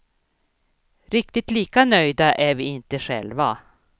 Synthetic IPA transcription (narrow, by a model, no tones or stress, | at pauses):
ɾɪkt̪ɪt̪liːkanœjd̪aʔæɾvɪːɪnt̪əɧɛ̰lva̰